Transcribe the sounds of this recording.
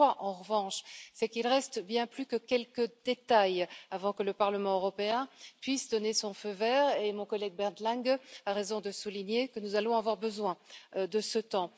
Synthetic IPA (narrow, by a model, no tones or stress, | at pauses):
aʔɑ̃ʁəvɑ̃ʃsɛkilʁɛst̪bjɛ̃plykəkʲɛlkəd̪et̪ajavɑ̃kələpaʁləmɑ̃øʁɔpeɛ̃pɥisd̪ɔnesɔ̃føvɛʁemɔ̃kɔlɛɡ̚bɛʁd̪lɛ̃ŋɡaʁezɔ̃d̪əsuliɲekənuzalɔ̃avwaʁbəzwɛ̃d̪əsət̪ɑ̃